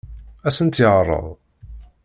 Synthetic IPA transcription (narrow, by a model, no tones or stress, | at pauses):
æsənt̪jəʁrˤːə̰ðˤ